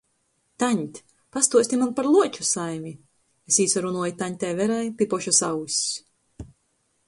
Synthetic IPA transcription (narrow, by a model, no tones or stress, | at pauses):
t̪aɲʲt̪ʲ | past̪uɔsʲt̪ʲimanpaɾlˠuɔt͡ʃusajmʲi | esiːsaɾunuɔjit̪aɲʲt̪ʲɛjvɛɾajpipɔʃɔsawsʲ